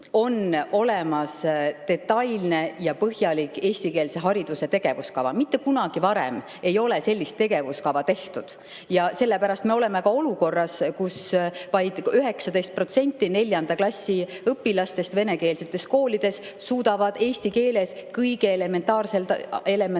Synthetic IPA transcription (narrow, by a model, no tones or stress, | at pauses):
o̞no̞le̞mɑst̪e̞t̪ːɑjlne̞jɑpɤɦjɑlikˑe̞ːsʲt̪ike̞ːlse̞ɦɑɾid̪̥use̞t̪e̞ɡ̥e̞vuskɑvɑ̰mit̪ːe̞kunɑɡ̥ivɑɾɛ̰m | e̞jo̞lese̞lʲːist̪ːe̞ɡ̥e̞vuskɑvɑt̪e̞ht̪ud̪̥ | jɑse̞lːepæɾɑst̪me̞o̞lɛ̞me̞kɑo̞luko̞rːɑskusvɑjd̪̥yɦe̞ksɑd̪̥e̞jst̪̚pro̞t̪se̞nʲt̪ːˑine̞lʲjɑnd̪ɑklɑsːiɤpːilɑst̪e̞st̪ve̞ne̞ke̞ːlse̞t̪ːˑe̞sko̞ːlʲid̪̥e̞s | suːd̪̥ɑvɑd̪̥e̞ːsʲt̪ike̞ːle̞skɤjɡeːle̞me̞nt̪ɑːrse̞lt̪ele̞me